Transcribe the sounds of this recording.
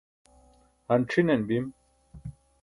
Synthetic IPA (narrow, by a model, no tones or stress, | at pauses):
hɐnʈ͡ʂʰinenbim